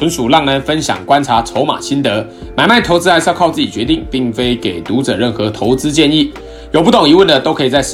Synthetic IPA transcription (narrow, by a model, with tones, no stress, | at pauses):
ə˨˦nʂu˨˩lɑ˥˩ŋnə˧˥nfə˦nɕjɑ̰˨˩ŋkwa˦nʈ͡ʂʰa˧˥t͡sʰo˧˥ʊma̰˨˩ɕi˦nt̪ə˧˥ | ma˨˩ɪma˥˩ɪt̪ʰo˧˥ʊt͡sɹ̩˥a˧˥ɪsɑ˥˧kʰɑ˥˧ʊt͡sɹ̩˥˩t͡ɕi˨˩t͡ɕɥɛ˧˥t̪i˥˧˨ŋpi˥˩ŋfe˥ɪke˨˩ɪt̪u˨˥ʈ͡ʂɤ̰˨˩ɻə˥˩nxɤ˨˦t̪ʰo˧˦˥ʊt͡sɹ̩˦t͡ɕjɛ˥˧ni˥˩ | jo˨˩p̬u˥˩t̪o˨˩ŋi˧˥wə˥˩nd̪ə˩t̪o˥ʊkʰɤ˧˥i˨˩t͡sa˥˧ɪ˥